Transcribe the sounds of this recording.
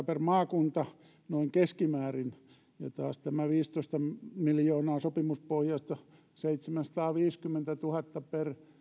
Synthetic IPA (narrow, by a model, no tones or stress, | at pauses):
permɑːkunt̪ɑ | noiŋkeskimæːrin | jɑ̰t̪ɑːst̪æmæʋiːst̪oist̪ɑmiljoːnɑːsopimuspohjɑst̪ɑ | seit̪semænsɑ̥t̪ɑːʋiːskymːent̪æt̪uhɑt̪ːɑper